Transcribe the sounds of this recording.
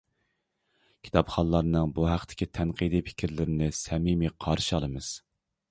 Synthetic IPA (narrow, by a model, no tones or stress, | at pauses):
kʲʰi̥t̪ʰɑpχɑnlˠɑɾnɨŋbuɦæqt̪ʰɪ̥kʲʰit̪ʰɛnqʰid̪ipʰi̥kʲʰɪɾlɪɾɪnɪsɛmimiqʰɑɾʃɑlˠɨmɨz̥